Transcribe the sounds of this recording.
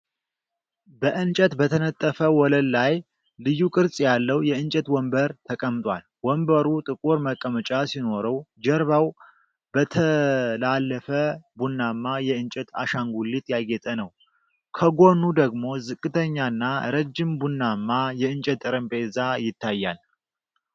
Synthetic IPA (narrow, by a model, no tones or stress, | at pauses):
bəʔɨnt͡ʃʼɛt̪bət̪ʰənət̪ʼːəfəwɔləlːaj | lɨjːukʼɨɾsʼjalːəwjɛɨnt͡ʃʼɛt̪wɔmbəɾt̪ʰəkʼəmt̪ʼwal | wɔmbəɾut̪ʼɨkʼuɾməkʼːəmət͡ʃʼasino̞ɾəwd͡ʒɛɾβaw | bət̪ʰəlalːəfəbunːamːajɛɨnt͡ʃʼɛt̪a̰ʃaŋɡulːit̪jaɡɛt̪ʼənəw | kʰəɡo̞nːud̪əɡmo̞zɨkʼːɨt̪ʰəɲːanːaɾəd͡ʒːɪmbunːamːajɛɨnt͡ʃʼət̪ʼːɨɾəmbezajɪt̪ʰːajːal